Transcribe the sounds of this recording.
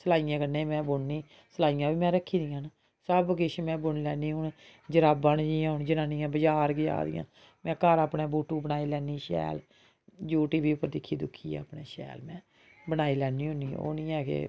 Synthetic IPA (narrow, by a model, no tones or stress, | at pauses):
səlaːijãːkənẽːmɛ̃ːbʊɳniː | səlaːijãːbiːmɛ̃ːɾəkʰːiːd̪ian | səbɡɪʃmɛ̃ːbʊɳlɛːniːɦʊn | d͡ʒəɾaːbãːnd͡ʒiːãːʊnd͡ʒənãːnĩːãːbəd͡ʒaːɾɡɪd͡ʒa̰ːd̪ɪ̰jã̰ː | mɛ̃ːkəɾaːpɳẽːbuːʈːuːbənaːiːlɛːniːʃɛ̰ːl | d͡ʒuːʈiːbiːʊpːəɾd̪ɪkʰːiːd̪ʊkʰːḭːã̰ːəpnḛːʃɛ̰ːlmɛ̃ː | bənaːiːlɛːnːiːɦʊːniːo̰ːnĩːɛːkḛː